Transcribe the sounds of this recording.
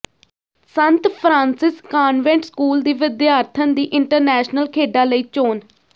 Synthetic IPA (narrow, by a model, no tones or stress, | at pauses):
sənt̪pʰɾãːnsɪskaːnʋɛ̃ɳʈskuːld̪iːʋɪd̪jaːɾt̪ʰənd̪iːʔɪɳʈəɾnɛːʃnəlkʰeːɖaːləiːt͡ʃoːn